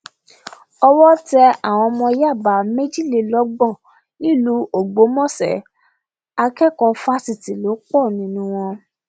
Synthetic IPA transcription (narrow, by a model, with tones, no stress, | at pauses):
ɔ˧wɔ˦tɛ˧a˨w̃ɔ̃˧mɔ̃˧ja˦˨ba˨˦me˦d͡ʒi˦˨le˧lɔ˦ɡ͡bɔ̃˦˨ | nĩ˦˨lu˨˦o˦˨ɡ͡bo˨˦mɔ̃˦˨sɛ̰˨ | a˧kɛ˦˨kɔ˧fa˦si˨ti˨lo˨˦k͡pɔ˦˨nĩ˨˦nũ˦w̃ɔ̃˧